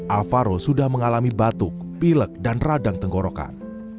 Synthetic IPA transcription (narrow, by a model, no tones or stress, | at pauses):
ʔafaɾosudahməŋalamibat̪ʊk̚pilək̚danradaŋt̪əŋɡoɾoka̰n